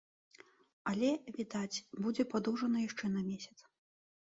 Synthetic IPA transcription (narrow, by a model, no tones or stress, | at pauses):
ɐlʲɛvʲid̪at͡sʲbud͡zʲɛpad̪uwʐɐnɐjaʂt͡ʂɛnɐmʲesʲɐ̥t̪s